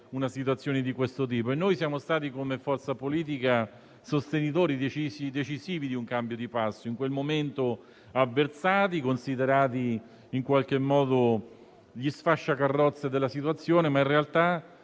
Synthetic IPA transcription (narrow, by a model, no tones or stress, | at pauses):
unasit̪̬uat̪sːjoːned̪ikwest̪ot̪̬iːpoenːojsjaːmost̪aːt̪̬ikomefɔrt̪sapoliːt̪̬ika | sost̪enit̪̬oːɾid̪et͡ʃisid̪et͡ʃiziːvid̪iuŋkambjod̪ipasːoiŋkwelmoment̪o | avːert̪saːt̪ikonsid̪eɾaːt̪i | iŋkwalk̟emːɔːd̪o | ʎisfaʃːakarːɔt̪sːed̪elːasit̪wat̪sːjoːnemainrealt̪a